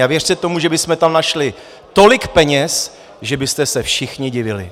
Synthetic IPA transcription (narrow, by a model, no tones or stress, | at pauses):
avjɛr̥sɛt̪o̞muʒɛbɪsmɛt̪amnaʃlɪ | t̪o̞lɪkpɛɲɛs | ʒɛbɪst̪ɛsɛfʃɪxɲɪɟɪvɪlɪ̰